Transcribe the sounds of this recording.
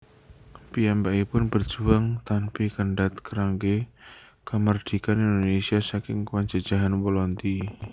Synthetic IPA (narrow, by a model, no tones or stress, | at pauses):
pijambaʔipʊnb̥ərd̥ʒ̥uaŋt̪anpikəɳɖat̪kəɾaŋɡe | kəmərd̪̥i̤kanind̪onesiasakɪŋkəwaɲd͡ʒad̥d͡ʒ̥aɦanwɔlɔnt̪i